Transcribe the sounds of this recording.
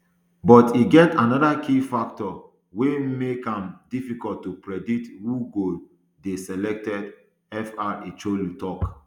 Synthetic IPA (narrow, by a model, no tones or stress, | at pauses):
bɔtiɡɛtanɔdakʰifaktɔ | wemekãmdifikɔlttːupɹɛditwuɡo | desɛlɛk̚tɛd | ɛfaet͡ʃolutɔk